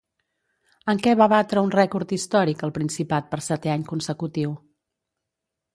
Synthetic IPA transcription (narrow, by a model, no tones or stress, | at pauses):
əŋkɛβaβat̪ɾəunrɛkuɾt̪ist̪ɔɾikəlˠpɾinsipat̪̚pəɾsɛt̪ɛaɲkunsəkut̪iw